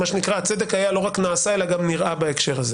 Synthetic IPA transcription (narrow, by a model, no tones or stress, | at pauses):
maʃenikʁat͡se̞d̪e̞kajalo̞ʁaknaːsae̞laɡamniʁabaekʃe̞ʁaze